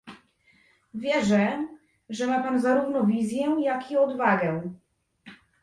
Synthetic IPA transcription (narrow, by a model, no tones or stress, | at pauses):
vʲjɛʐɛ | ʐɛmapanzaɾuvnɔvʲizʲjɛjakiɔd̪vaɡɛ